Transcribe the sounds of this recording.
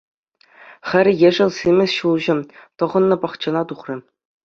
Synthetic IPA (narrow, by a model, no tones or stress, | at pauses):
χʲɘ̆ɾʲjeʐɘ̆lʲˠsʲimʲɘ̆sʲɕulˠʑɘ̆t̪ɤ̆ʁɤ̆nːɤ̆pɑχt͡ɕɤ̆nɑt̪uχrʲɘ̆